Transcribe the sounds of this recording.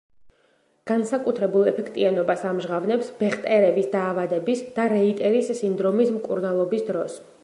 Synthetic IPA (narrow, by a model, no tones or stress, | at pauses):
ɡ̥ansakʼut̪ʰɾɛbulˠɛpʰɛkʰt̪ʼianɔbasamʒʁavnɛpsbɛχt̪ʼɛɾɛbisd̪aːvad̪ɛbisd̪̥aɾɛit̪ʼɛɾisːind̪ɾɔmismkʼuɾnalˠɔbisd̪ɾɔs